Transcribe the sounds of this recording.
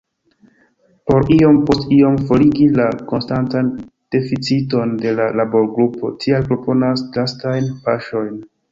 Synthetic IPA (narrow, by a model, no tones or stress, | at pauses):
po̞ɾio̞mpo̞stio̞mfo̞liɡilako̞nstantand̥e̞fit͡sito̞nde̞lalabo̞ɾɡɾupʰo̞̰tʰialpɾo̞po̞naslastajnpaʃo̞jn